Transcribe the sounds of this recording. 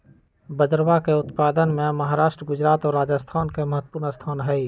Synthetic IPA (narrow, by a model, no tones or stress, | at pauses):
bəd̪əɾwakeʊt̪paːd̪ənmẽmɐɦaːɾaːʃʈɾəɡʊd͡ʒɾaːt̪ɔːɾːaːd͡ʒəst̪ʰaːnkeməɦət̪ːpuːɾnəst̪ʰaːnɦɛi